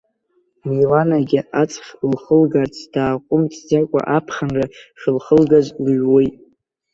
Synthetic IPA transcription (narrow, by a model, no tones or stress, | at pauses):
mejlanaɡʲɪat͡sʼχʲlχəlɡart͡sʰd̥aːqʷʼʊmt͡sʰd͡zakʷʼa̰ʔapʰχanraʃʲɪlχəlɡazlɥwejtʼ